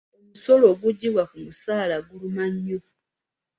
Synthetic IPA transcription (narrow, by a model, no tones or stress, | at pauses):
o̞muso̞lo̞ːɡuɟːiβwakumusaːlaɡulumaɲːo